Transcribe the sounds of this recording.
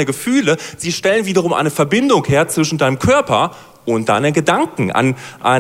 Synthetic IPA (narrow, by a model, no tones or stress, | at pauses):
nəɡəfyːləz̥iːʃtɛlənviːdɐʁ̞ʊmʔa̰ɪnəfɛɐbɪndʊŋheːɐt͡sv̥ɪʃn̩daɪnəmkʰœɐpɐ | ʔʊntd̥a̰ɪnənɡədaŋkŋ̩ʔa̰nʔa̰ɪ